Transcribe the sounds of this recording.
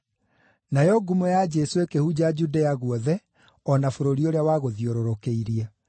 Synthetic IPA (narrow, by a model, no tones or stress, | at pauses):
najɔɡumojad͡ʑɛsoekehud͡ʑad͡ʑudɛaɣwɔðɛ | ɔnafoɾoɾioɾeawaɣoðioɾoɾokeiɾia